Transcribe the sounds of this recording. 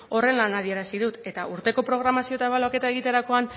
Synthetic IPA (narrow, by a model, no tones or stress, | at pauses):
o̞re̞nlanaðie̞ɾasiðut̪e̞t̪aʔuɾt̪e̞ko̞pɾo̞ɣ̞ɾamasio̞t̪aβaloke̞t̪ae̞ɣit̪e̞ɾako̞an